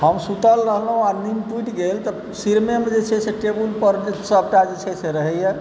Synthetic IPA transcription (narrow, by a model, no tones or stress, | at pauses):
ɦəmsut̪əlɾəɦlɦũanimpuʈɡelt̪ɔ | siɾmemed͡ʒet͡ʃʰɛseʈebulpəɾsəb̚ʈad͡ʒet͡ʃʰɛseɾəɦɛje